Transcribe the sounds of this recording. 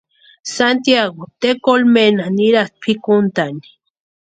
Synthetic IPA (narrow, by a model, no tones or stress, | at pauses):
sant̪jaɡot̪ekolmenaniɾat̪̚pʰikunt̪ani̥